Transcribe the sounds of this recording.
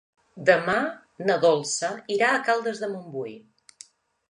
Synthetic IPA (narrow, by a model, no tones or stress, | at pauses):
d̪əma | nəðɔlˠsəiɾaəkalˠd̪əzðəmumbuj